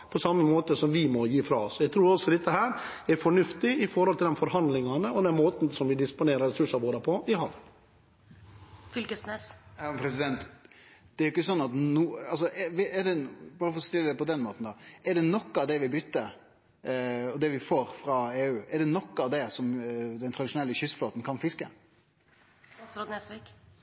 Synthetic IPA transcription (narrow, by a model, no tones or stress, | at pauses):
pʰɔsɑmːəmoːt̪əsɔmʋɪmɔjiːfɾɑ̰ːɔsɔjæɡt̪ʰɾuːɾɔsɔd̪ɛt̪ːəɦæːɾɛɾfɔɳʉft̪ɪɪfɔɾhɔlt̪ʰɪld̪ɛnfɔɾɦɑnd̪lɪŋɑnəɔd̪ɛnmoːt̪n̩sɔmʋɪd̪ɪspʊneːɾəɾɛsʉʂɑʋoːɾəpʰɔɪɦɑʋ | fʏlkəsnesjɑpʰɾɛsɪd̪ɛnt̪d̪̥ɛæɾjʊɪkːəsɔnːɑt̪nuːɑls̬ɔʔɛʋɪɛɖɛbɑːɾəfɔɾɔst̪ɪlːəd̪ɛpɔd̪ɛnmoːt̪n̩d̪ɑɛɖɛnɔkːɑʋd̪ɛʋɪbʏt̪ːə | ɔd̪ɛʋɪfoːɾfɾɑeːʉːɛɖɛnɔkːɑʋd̪ɛsɔmd̪ɛnt̪ʰɾɑd̪ɪʂʊnɛlːəçʏsfloːt̪n̩kʰɑnfɪskə | sɾod̪nesʋik